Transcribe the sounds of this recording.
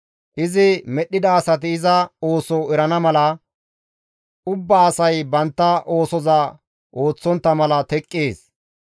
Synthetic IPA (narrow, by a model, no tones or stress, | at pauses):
ʔɪzɪmɛɗːɪd̪ɐːsɐt̪̬ɪːzɐo̞ːsɔɛɾɐnɐmɐlɐ | ʊbːaːsɐjbɐnt̪ːɐʔo̞ːsɔzɐ | ʔo̞ːt͡sːɔnt̪ːɐmɐlɐt̪ɛkʼːeːs